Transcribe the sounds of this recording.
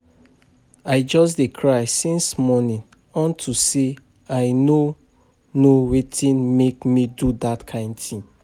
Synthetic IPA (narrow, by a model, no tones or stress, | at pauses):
aɪd͡ʒɔs̬dekʰɹaɪsĩnsmɔnĩn | ɔ̃ntʰuse | aɪno | nowetʰĩnmekmidudatkʰãɪ̃ndtʰĩm